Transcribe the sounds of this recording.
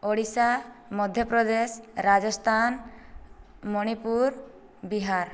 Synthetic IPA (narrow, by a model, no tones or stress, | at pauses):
oɽisamɔd̪ʱjɔpɾɔd̪esɾad͡ʒɔst̪ʰan | mɔɽ̃ipuɾ | biɦaɾ